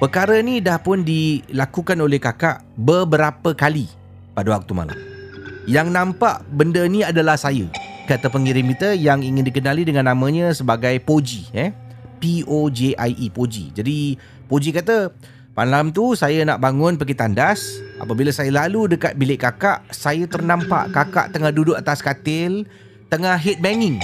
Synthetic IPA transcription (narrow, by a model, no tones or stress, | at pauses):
pəkaɾənidahpʊndilakukanolɛhkakaʔbəbəɾapəkali | padəwak̚t̪uma̰la̰mjaŋnãmpaʔbəndəniadalahsajəkat̪əpəŋiɾɪmkit̪əjaŋiŋɪndikənalidəŋãnːãmə̃ɲə̃səbaɡajpod͡ʒiɛpiod͡ʒeʔajʔipod͡ʒḭd͡ʒadi | pod͡ʒikat̪ə | malamt̪̬usajənaʔbaŋʊnpəɡit̪andasʔa̰pəbilasajəlaludəkat̪̚bilɪʔkakaʔsajət̪ərnampa̰ʔkaka̰ʔt̪əŋahdudʊʔat̪askat̪ɪl | t̪əŋaɦit̪̚mɛŋɪŋ